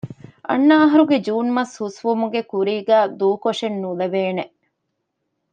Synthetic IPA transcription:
ʔɐ̰nːɐɐɦɐɾuɡed͡ʒuːnmɐshusʋumuɡekuɾiːɡæːd̪uːkoʂenːuleʋeːne

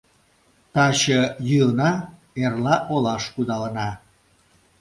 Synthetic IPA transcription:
t̪ɑɕəjyənɑ | erlɑʔolɑʃkud̪ɑlənɑ

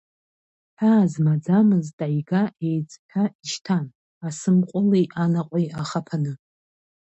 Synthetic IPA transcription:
ħʰaːzmad͡zamɨztʼajɡaʔe̞jt͡sʼtʰaiʃtʰan | asɨmqʷʼʊlejʔanaqʷʼijaχapʰanɨ

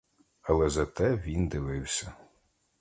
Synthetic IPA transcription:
ɐlˠɛzɐt̪ɛʋʲind̪ɪʋɪwsʲɐ

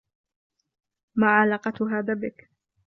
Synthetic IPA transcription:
maːʕalaːqɑt̪ʊɦaːðaːbɪk

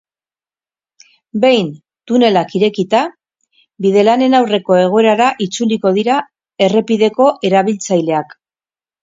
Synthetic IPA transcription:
be̞jn | t̪une̞lakiɾe̞kit̪a | biðe̞lane̞nawre̞ko̞e̞ɣ̞o̞e̞ɾaɾaʔit͡suliko̞ð̞iɾa | e̞re̞piðe̞ko̞ʔe̞ɾaβ̞ilt͡sajle̞ak

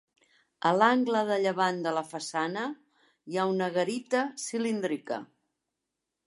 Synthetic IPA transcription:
əlaŋɡləðəʎəβand̪ələfəsanə | iaunəɣəɾit̪əsilind̪ɾikə̰

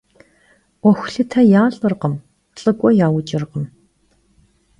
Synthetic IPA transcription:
ɔxʷɬɨtʰɐjaːɮʼɨrqəm | ɬʼɨkʷʼɔjaːwʊt͡ʃʼɪrqəm

